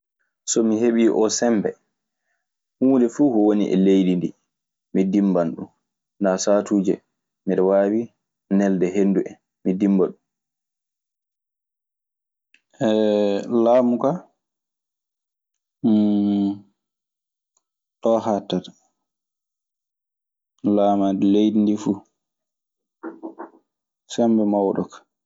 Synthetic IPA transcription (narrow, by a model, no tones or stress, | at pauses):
sɔmiheɓiːʔɔsɛmbɛ̰ | huːndɛfuːhɔwonḭʔɛ̰lejdindi | midimbanɗṵm | ndasatuːd͡ʒɛ | miɾɛwaːwi | nɛldɛɦenduʔɛ | midimbaɗum | ʔɛlaːmuka | ɗɔhatːat | laːmadlejdindifuː | sɛmbɛmawɗɔ̰kḁ